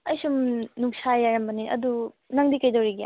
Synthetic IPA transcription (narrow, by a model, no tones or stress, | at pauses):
ɐjsumnuksʰajaɾɐmbɐniʔɐ̰du | nɐŋdikɐjdɐwɾiɡija̰